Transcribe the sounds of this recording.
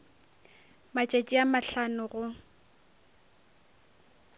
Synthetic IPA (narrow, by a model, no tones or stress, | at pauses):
mat͡ʃʼet͡ʃʼiamaɬanʊɣʊ